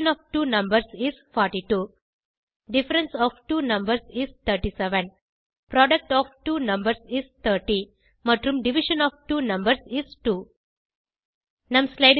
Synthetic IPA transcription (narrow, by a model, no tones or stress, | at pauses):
nɔʋʈuːnʌ̃mbəɾsizfɔːɾʈiʈuː | ɖɪfəɾẽnsɔːʋʈuːnʌ̃mbəɾsizt̪ʰəːɾʈisɛʋə̃n | pɾɔːɖək̚ʈɔːʋʈuːnʌ̃mbəɾsizt̪ʰəːɾʈi | məʈɾũmɖiʋiʃə̃nɔːʋʈuːnʌ̃mbəɾsizʈuː | nãmslaɪɖ